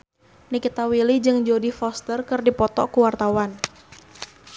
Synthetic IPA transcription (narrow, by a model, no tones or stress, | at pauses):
nikit̪awilid͡ʒɨŋd͡ʒodifɔst̪ərkɨrdipɔt̪ɔ̰kuwart̪awan